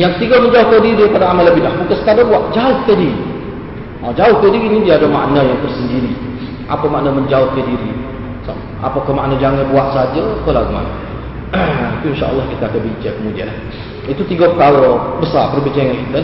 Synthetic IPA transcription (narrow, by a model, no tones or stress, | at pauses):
jaŋt̪iɡoməɲd͡ʒaʊhk̪adiɾipadaamalːəbɪlahbukansə̥t̪adabuaʔd͡ʒaʊhk̪ədiɾi | əd͡ʒaʊht̪ədiɾinidiaadama̰ʔnajaŋt̪ərsəndiɾi | ʔa̰pamaʔnaməɲd͡ʒaʊhk̪adiɾi | sa̰ | a̰pakamaʔnãd͡ʒaŋanbuaʔsəad͡ʒak̪olaɡəma̰na̰ | it̪uinʃa̰ʔə̰lˠːɑhkit̪aakabiɲt͡ʃakəmudia̰lah | it̪ut̪iɡokalobəsarpərbiɲt͡ʃaŋankit̪ə